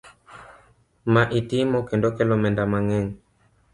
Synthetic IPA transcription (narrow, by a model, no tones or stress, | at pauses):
maʔitimɔkɛndɔkɛlɔmɛndamaŋɛŋ